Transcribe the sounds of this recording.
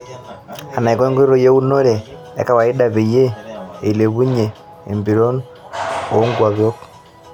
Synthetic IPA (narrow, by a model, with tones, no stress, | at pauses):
a˨na˨i˨kɔ˦ŋɡo˦ɾo˦je˦u˦no˦ɾe˨ | ḛ˦ka˨wa˨i˦da˨βe˨je˦e˨i˨le˨βu˦ɲe˨ | e˨mbi˨ɾo˦n | o˨˦ŋɡwa˨βjo˦k